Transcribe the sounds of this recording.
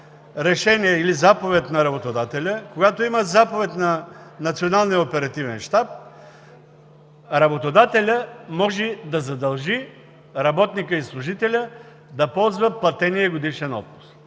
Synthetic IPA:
ɾɛʃɛniɛilizapovɛt̪nɐɾɐbot̪od̪at̪ɛlʲəkoɡat̪oimət̪zapovɛt̪nɐnɐt̪sionalˠnijəopɛɾɐt̪ivɛnʃt̪ap̚ | ɾɐbot̪od̪at̪ɛlʲəmɔʒɛd̪ɐzɐd̪ɐlˠʒi | ɾɐbɔt̪nikəislˠuʒit̪ɛlʲə | d̪ɐpɔlˠzvəplˠɐt̪ɛniɛɡod̪iʃɛnɔ̰t̪̚pʊ̥s

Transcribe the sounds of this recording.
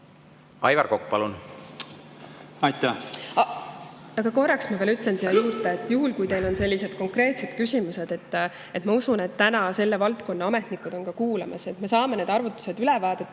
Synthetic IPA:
ɑjvɑrkokːpɑlun | ɑjt̪ːæ | ɑɡ̥ɑko̞rːɑksmɑvelyt̪ˑle̞nsiɑjuːrt̪eet̪ːˑjuɦulkujt̪e̞jlo̞nse̞lːise̞d̪̥ko̞ŋkre̞ːt̪se̞d̪̥kysʲimuse̞d̪̥e̞t̪ː | e̞t̪mɑusune̞t̪ːænɑse̞lːevɑlt̪ko̞nːɑɑme̞t̪nikːˑud̪̥o̞nkɑkuːlɑmʔɑ̰se̞t̪me̞sɑːmene̞ːd̪ɑrvut̪ːu̥se̞d̪ylɛvɑːd̪̥et̪ːˑ

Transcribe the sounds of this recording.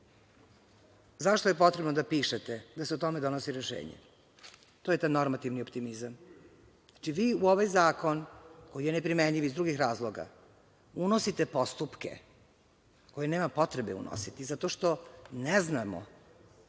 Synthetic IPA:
zaʃt̪ojepo̞t̪ɾebnod̪apiːʃet̪ed̪aseut̪o̞med̪o̞nosiɾeʃḛːɲḛ | t̪oːjet̪ajnoɾmat̪iʋniopt̪imizam | at͡ʃiʋiːuo̞ʋajzaːko̞nko̞jijenepɾimeɲʎiʋizd̪ɾuɡixɾaːzlˠoɡa̰ | unosit̪epost̪upkḛ | ko̞jeneːmapo̞t̪ɾebeṵno̰sit̪izat̪o̞ʃt̪o̞nɛznamo̰

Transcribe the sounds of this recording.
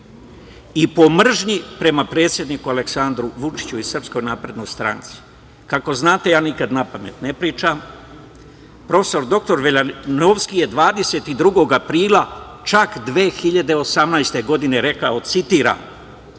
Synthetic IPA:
ipo̞mr̩ʒɲipɾe̞mapɾe̞ːt̪sje̞d̪niːkualeksand̪ɾuʋut͡ʃi̥t͡ɕuisr̩psko̞jnaːpɾe̞d̪nojst̪ɾa̰nt̪si̥ | kako̞znaːt̪e̞jaːnikad̪napame̞̰t̪nepɾiːt͡ʃam | pɾo̞fe̥so̞ɾd̪o̞k̚t̪o̞ɾʋeʎanoʋskije̞d̪ʋaːd̪e̞se̞t̪id̪ɾuɡo̞ɡapɾiːlˠa | t͡ʃakd̪ʋeːxiʎad̪e̞o̞samnajst̪e̞ɡo̞d̪ine̞ɾe̞kaosit̪iːɾa̰

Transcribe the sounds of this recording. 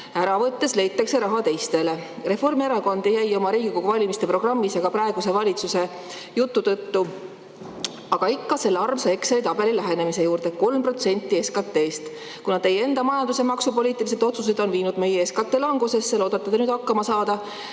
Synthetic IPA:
æɾɑvɤt̪ːe̞sle̞jt̪ːˑɑkse̞ɾɑɦɑt̪e̞jst̪e̞le̞ | re̞fo̞rme̞ɾɑko̞nd̪ejæjo̞mɑɾiːɡiko̞ɡ̥uvɑlʲimist̪e̞pro̞ɡ̥rɑmːisjɑɡ̥ɑprɑe̞ɡ̥use̞vɑlʲit̪suse̞ | jut̪ːut̪ɤt̪ːu | ɑɡ̥ɑikːɑse̞lːɑrmsɑeksejt̪ɑbe̞lilæɦe̞ne̞mise̞juːɾd̪̥e̞ko̞lmpro̞t̪se̞nʲt̪ˑːieskɑt̪ːˑe̞ːst̪ | kunɑt̪ːe̞jee̞nd̪ɑmɑjɑnd̪use̞mɑksupo̞lʲiːt̪ːˑilis̬ed̪̥o̞t̪sus̬e̞d̪̥o̞nviːnud̪me̞jeeskɑt̪ːˑe̞ːlɑŋɡuse̞sːelo̞ːd̪ɑt̪ːˑɑd̪enyːd̪̥ɑkːɑmɑsɑːd̪̥ɑ

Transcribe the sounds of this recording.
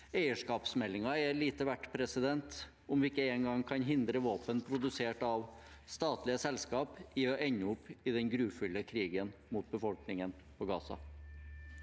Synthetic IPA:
æɪəʂkɑːpsmɛlːɪŋɑæliːt̪əʋæʈːpʰɾɛsɪd̪ɛnt̪ | ɔmʋɪɪkːəeːnŋɡɑŋkʰɑnɦɪnd̪ɾəʋoːpənpʰɾʊd̪ʉseːʈɑʋ | st̪ɑːt̪lɪəsɛlskɑːpɪɔʔɛɲːəʊpːɪd̪ɛnɡɾʉːfʏləkʰɾiːɡənmuːt̪̚bəfɔlknɪŋən | pʰɔɡɑ̰ːsɑ̰

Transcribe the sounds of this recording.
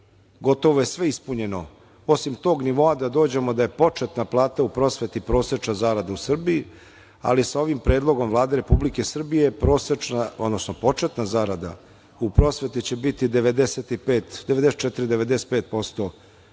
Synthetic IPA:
ɡo̞t̪o̞ʋoje̞sʋe̞ispuɲe̞no̞ | o̞simt̪o̞ːɡniʋo̞ad̪ad̪o̞ːd͡ʑe̞mod̪aje̞po̞t͡ʂet̪naplˠaːt̪aupɾo̞sʋe̞t̪ipɾo̞ːset͡ʃnazaɾad̪ausr̩biji | a̰lisao̞ʋimpɾe̞ːd̪lˠo̞ɡo̞mvlˠaːd̪e̞ɾe̞publike̞sr̩bijepɾoːsenaod̪nosno̞po̞t͡ʂe̞t̪nazaɾad̪a̰ | upɾo̞sʋe̞t̪it͡ɕe̞bit̪id̪eʋe̞d̪eset̪ipeːt̪d̪eʋed̪eset̚t͡ʃɛt̪iɾid̪eʋe̞d̪ese̥t̪̚peːt̪̚po̞st̪o̞

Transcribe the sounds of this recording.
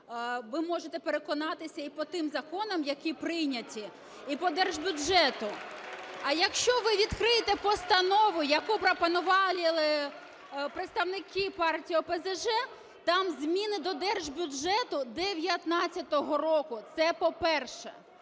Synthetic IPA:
ʋɪmɔʒet̪ɛpeɾekɔnɑt̪ɪsʲɐipɔt̪ɪmzɐkɔnɔmjɐkʲipɾɪjnʲɐtʲi | ipɔd̪ɛrʒbʲʊʒɛt̪ʊ | ɑjɐkʃt͡ʃɔʋɪʋʲid̪kɾɪjet̪ɛpɔst̪ɐnɔʋʊjɐkupɾɔpɐnʊʋɑlʲɪlˠɪ | pɾɪt̪st̪ɐʋnɪkɪpɑrtʲijɔpezeʒɛ | t̪ɑmzʲmʲinɪd̪ɔd̪ɛrʒbʲʊʒɛt̪ʊd̪eʋʲjɐt̪nɑt͡sʲːɐt̪ɔɦɔɾɔkʊt̪sɛpɔpɛrʃɛ̰

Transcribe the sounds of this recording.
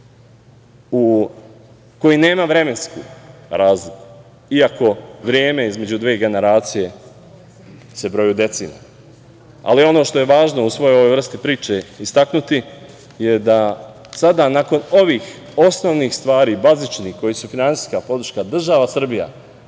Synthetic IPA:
u | ko̞jine̞ːmaʋɾe̞me̞nskṵːɾaːzliku̥ | iako̞ʋɾjeːme̞izme̞d͡ʑud̪ʋe̞ːɡe̞ne̞ɾaːt̪sije̞ | se̞bɾo̞jud̪e̞t̪sḭːna̰ | a̰lio̞no̞ːʃt̪o̞je̞ʋaːʒno̞usʋo̞joo̞ʋojʋr̩st̪ipɾiːt͡ʃe̞ist̪aknut̪i | je̞d̪a | sad̪anaːko̞no̞ʋiːx | o̞sno̞ʋnixst̪ʋaːɾiːbazit͡ʃnixko̞jisufinansi̥ːskapo̞d̪ɾ̩ʃkad̪r̩ʒaʋasr̩bija̰

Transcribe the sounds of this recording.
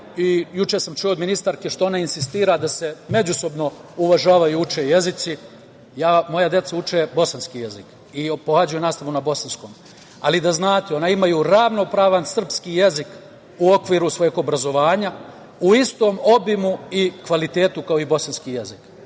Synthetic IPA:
ijut͡ʃe̞samt͡ʃujood̪minist̪aɾkeʃt̪o̞o̞nainsist̪iːɾad̪ase̞me̞d͡ʑuso̞bno̞uʋaʒaːʋajuut͡ʃeje̞zit̪si | jaːmo̞jad̪jet̪saut͡ʃebo̞sanskijezik | ipohad͡ʑajunaːst̪aʋunabo̞sansko̞ːm | alid̪aznaːt̪eo̞naimajuɾaʋno̞pɾaːʋansr̩pskiːjezik | uo̞kʋiːɾusʋo̞jeɡo̞bɾazo̞ʋaːɲa | uist̪o̞mo̞bimuikʋalit̪e̞ːt̪ukao̞ibo̞sanskije̞zik

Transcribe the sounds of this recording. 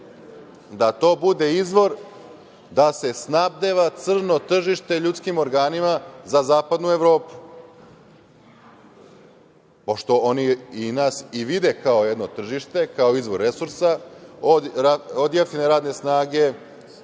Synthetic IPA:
d̪at̪o̞ːbud̪e̞izʋo̞ɾ | d̪ase̞snab̚d̪eʋat̪sr̩no̞t̪r̩ʒiʃt̪e̞ʎut̪skimo̞ɾɡaːnimazazaːpad̪nue̞ʋɾo̞ːpu̥ | poʃt̪o̞oniinaːsiʋid̪e̞kao̞jed̪no̞t̪r̩ʒiʃt̪e̞kaoizʋo̞ɾːe̞suɾsaoaod̪jaft̪eneɾaːd̪ne̞snaːɡe̞

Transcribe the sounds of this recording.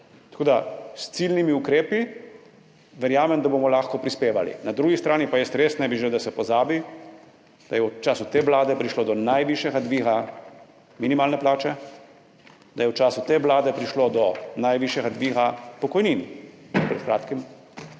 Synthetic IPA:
t̪ḁkoːd̪ast̪silnimiukɾeːpi | ʋɛɾjaːmɛmd̪abomɔlaːxkɔpɾispeːʋa̰lḭnad̪ɾuːɡist̪ɾaːnipajɛst̪ɾeːst̪nɛbiʒelewd̪asɛpɔzaːbi | d̪̥ajɛut͡ʃaːsut̪eːʋlaːd̪ɛpɾiʃloːd̪ɔnajʋiʃjɛɡad̪ʋiːɣa | minimaːlnɛplaːt͡ʃɛ | d̪ajɛwt͡ʃaːsut̪eːʋlaːd̪ɛpɾiʃloːd̪ɔnajʋiʃjɛɡad̪ʋiːɣapɔkɔjniːnpɾɛ̰t̪kɾaːt̪kim

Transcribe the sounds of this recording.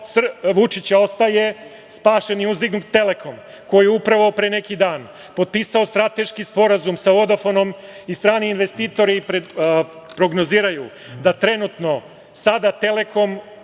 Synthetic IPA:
sʋut͡ʃit͡ɕao̞st̪aje̞ | spaːʃe̞niuzd̪iɡnukt̪e̞le̞kʰo̞m | ko̞jeupɾaʋaopɾeːne̞kid̪aːn | po̞d̪̚piːsaost̪ɾat̪e̞ʃkispo̞ɾazumsao̞d̪ofono̞m | ist̪ɾaːniinʋe̞st̪iːt̪o̞ɾipɾe | pɾo̞ɡno̞ziːɾaju | d̪at̪ɾe̞nut̪no̞ | sad̪at̪e̞le̞kʰo̞m

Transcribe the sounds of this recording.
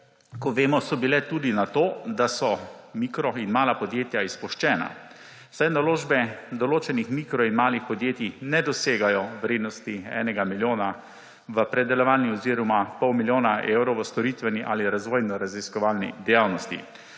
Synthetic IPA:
kɔʋeːmɔsɔbilɛt̪uːd̪inat̪oːd̪asɔmiːkɾɔinmaːlapɔd̪jeːt̪jaispuʃt͡ʃɛːna̰ | sajnaloːʒbɛd̪ɔloːt͡ʃɛnixmiːkɾɔinmaːlixpɔd̪jeːt̪inɛd̪ɔseːɡajɔʋɾeːd̪nɔst̪iɛ̰ːnɛɡamiljoːna | ʋəpɾɛd̪ɛlɔʋaːlniɔziɾɔmapɔwmiljoːnaʔeːwɾɔwʋəst̪ɔɾit̪ʋɛniʔa̰ːliɾazʋɔːjnɔɾaziskɔʋaːlnḭd̪ɛjaːwnɔst̪ḭ

